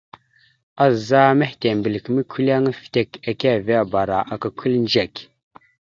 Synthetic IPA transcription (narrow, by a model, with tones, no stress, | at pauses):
a˦za˦me˦hte˨mbə˨lkmə˦kʰu˦la˦ŋ˦fte˨ka˨ka˦˨ve˦a˦˨ba˨ɾa˨ʔa˨ka˨kʰu˦lnd͡ʒe˨k